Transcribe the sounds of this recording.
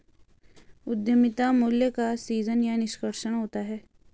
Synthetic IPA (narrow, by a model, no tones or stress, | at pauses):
ʊd̪jəmɪt̪amuljəkasiːzənjanɪʃkəɾʃəɽ̃ɦoːt̪aɦɛː